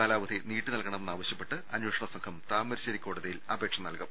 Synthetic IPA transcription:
aːlaːʋɐd̪ʱiniːʈːɨnɐlkɐɳɐmenːaːʋɐɕjɐpːe̞ʈːɨɐnwoːʂɐɳɐsɐŋkʰɐmt̪aːmɐɾiɕɐɾikʲːoːɽuðɐjilɐbe̞ːkʂɐnɐlkɐm

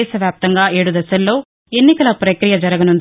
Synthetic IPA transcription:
sɐʋjaːp̚t̪ɐŋɡaːe̞ːɽud̪ɐsɐlːo̞ː | e̞nːikɐlɐpɾɐkɾijɐd͡ʒɐɾɐɡɐnund̪

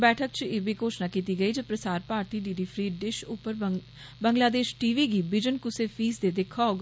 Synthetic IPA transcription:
bɛːʈʰəkt͡ʃeːbʱiːkoːt͡ʃnaːkiːt̪iːɡəiːd͡ʒəːpɾəsaːɾpaːɾt̪iːɖiːɖiːpʰɾiːɖɪʃʊpːəɾ | bəŋɡlaːd̪eːʃʈiːʋiːɡiːbɪd͡ʒənkʊseːfʰiːsd̪eːd̪ɪkʰːaːɡ

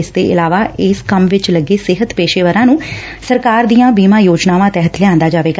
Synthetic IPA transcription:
ɪsd̪ḛːʔɪlaːʋaːʔɪskəmʋɪt͡ʃləɡeːsɪɦət̪peːʃeːʋəɾãːnũː | səɾkaːɾd̪ijãːbiːmãːjoːd͡ʒnaːʋãːt̪ɛːɦət̪lɪjãːnd̪aːd͡ʒaːʋeːɡa

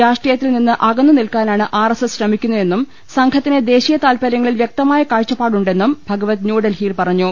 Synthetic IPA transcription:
ɾaːʂʈrijɐt̪ːilninːɨʔɐɡɐnːunilkaːnaːɳɨʔaːresesɕrɐmikʲːunːue̞nːum | sɐŋkʰɐt̪ːined̪e̞ːɕijɐt̪aːlpɐɾjɐŋːɐɭilʋjek̚t̪ɐmaːjɐkaːɻt͡ɕːɐpːaːɽuɳɖe̞nːumbʱɐɡɐʋɐt̪njuːɖɐlhiːlpɐrɐɲːu

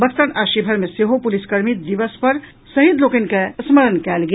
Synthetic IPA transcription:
bəkt̪ənaʃibʱəɾmeseɦopuliskəɾmit̪̚d̪ibəspəɾ | səɦid̪lokenkesməɾənkɛlɡe

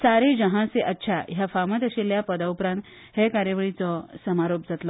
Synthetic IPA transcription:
saɾed͡ʑəɦãseʔətːɕʰajafamət̪əɕeljapəd̪aupɾãnt̪ | ɦekaɾjəʋəɭit͡sɔsəmaɾop̚d͡zat̪lɔ

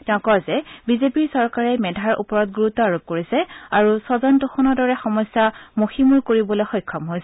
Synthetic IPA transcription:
tɛʊ̃kɔzɛbizepiɹsɔɹkaɹɛmɛdʱaɹṵpɔɹɔt̚ɡɹutɔaɹup̚koɹisɛaɹusɔzɔntɔxɔnɔdɔɹɛxɔmɔsːamoximuɹkoɹibɔloxɔjkʰːɔmɦojsɛ

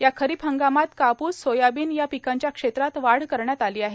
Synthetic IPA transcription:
jakʰəɾiːpəŋɡamat̪kapuːssojabiːnjapikaɲt͡ɕjakʂet̪ɾat̪ʋaɽ̤kəɾɳjat̪aliːaɦe

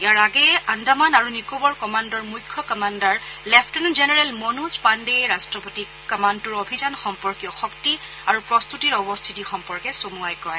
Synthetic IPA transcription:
jjaɹaɡɛandamanaɹunikobɔɹkɔmandɔɹmujkʰːɔkɔmandaɹlɛpʰtɛnzɛnɛɹɛlmɔnud͡ʒpandejɹastɹɔpoti | kːɔmantuɹobʱizanxɔmpɔɹkijɔxɔkti | aɹupɹɔst̪utiɹɔbɔst̪ʰitixɔmpɔɹkɛsomuajkɔj

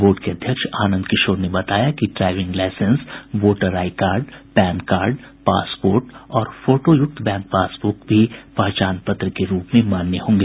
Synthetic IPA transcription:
boːʈkeɐd̪ʱjəkʃaːnə̃nd̪kɪʃoːɾnebɐt̪aːjakiɖɾaːɪʋɪ̃ŋɡlaɪsənsʋoːʈəɾaːɪkaːɾɖpɛ̃ːnkaːɾɖ | pa̰ːspoːɾʈɔːɾfoːʈojʊk̚t̪ʰbɛ̃ːŋk̚paːsbʊːkbʱipɐɦt͡ʃaːnpət̪ɾəkeɾuːpmẽmaːnːeɦõːŋɡeː

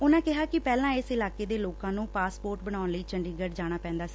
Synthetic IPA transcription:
ʊnãːkɪɦaːkɪpɛːlãːɪsɪlaːkeːd̪eːloːkãːnũːpaːspoːɾʈbəɽ̃aːʊnləiːt͡ʃəɳɖiːɡəɖd͡ʒaːɽ̃aːpɛ̃ːnd̪aːsi̥ː

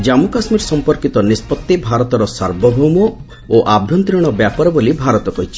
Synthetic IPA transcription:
d͡ʒamukasmiɾsɔmpɔɾkit̪ɔnispɔt̪ːebʱaɾɔt̪ɔɾɔsaɾbʱɔbʱumɔ | oʔabʱjɔnt̪ɾiɽ̃ɔbjapɔɾɔbolibʱaɾɔt̪ɔkɔɦit͡ʃʰi̥

